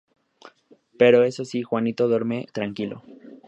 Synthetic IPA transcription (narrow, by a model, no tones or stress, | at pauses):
pe̞ɾo̞e̞so̞sixwanit̪oðoɾmet̪ɾaŋkilo̞̰